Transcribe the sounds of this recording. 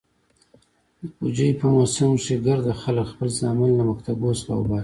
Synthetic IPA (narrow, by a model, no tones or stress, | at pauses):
d̪əpud͡ʒəipəmosamʂiɡaɾd̪axaləkxpəlzɑmalnamakt̪abosla̰wbɑ